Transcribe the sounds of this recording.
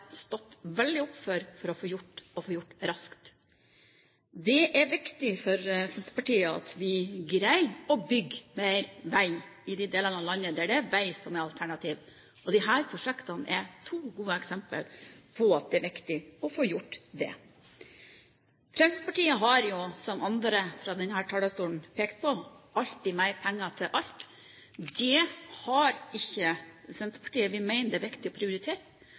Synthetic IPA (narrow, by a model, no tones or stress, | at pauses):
st̪ɔt̪ːʋɛld̪ɪʊpfɔɾfɔɾɔfoːjʊʈːɔfoːjʊʈːɾɑskt̪ | d̪ɛʔæɾʋɪkt̪ɪfɔɾsɛnt̪ə̥pɑʈiːəɑ̰t̪ʋɪɡɾæɪɔbʏɡːmæɪɾʋæɪɪd̪ɪd̪eːlənɑlɑnːəd̪ɛæɖɛʋæɪsɔmɛɑlt̪ʰæɳɑt̪ʰiːʋ | ɔd̪ɪɦæːɾpʰɾʊʂɛkt̪ɑnʔɛt̪ʰuːɡuːəɛksɛmpə̰lpʰɔɑt̪̚d̪ɛæɾʋɪkt̪ɪɔfoːjʊʈːd̪ɛ̰ | fɾɛmsspɑʈiːəɦɑɾjʊsɔmʔɑnd̪ɾəfɾɑːd̪ɛnhæːʈʰɑləst̪uːn̩pʰeːkt̪̚pʰɔɑʎt̪̚d̪ɪmæɪɾpʰɛŋːət̪ʰɪlʔɑʎt̪ | d̪ɛhɑɾɪçːəsɛnt̪əɾpʰɑ̥ʈiːəʋɪmæɪnəd̪ɛæːɾʋɪkt̪ɪɔpʰɾɪʊɾɪt̪ʰeːt